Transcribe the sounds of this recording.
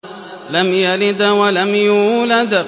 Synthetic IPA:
lamjalɪd̪awalamjuːlad̪

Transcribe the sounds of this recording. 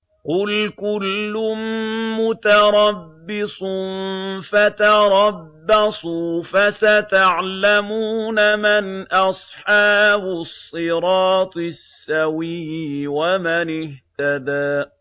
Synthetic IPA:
qʊlkʊlːʊmmʊt̪ɑɾˤɑbːɪsˤnfat̪ɑɾˤɑbːɑsˤuːfasat̪aʕlamuːnamɪnʔɑsˤħɑːbʊsˤːɨɾɑːt̪ˤɨsːawiːwamanɪht̪ad̪aː

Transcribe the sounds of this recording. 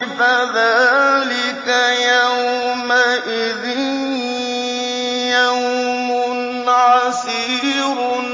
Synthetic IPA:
faðaːlɪkajawmaʔɪðɪn | jawmʊ | ʕɑs | iːɾ

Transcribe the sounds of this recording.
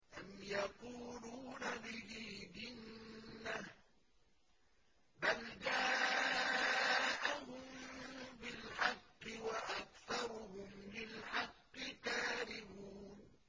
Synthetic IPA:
ʔamjaquːluːnabɪhiːd͡ʒɪnːah | bald͡ʒaː | ʔaɦʊmbɪlħɑqːɪwaʔak̚θɑɾˤʊhʊmlɪlħɑqːɨkaːðɪbuːn

